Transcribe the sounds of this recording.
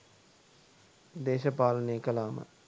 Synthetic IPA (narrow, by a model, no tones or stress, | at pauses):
d̪eːʃɐpaːlɐneːkɐlaːmə̰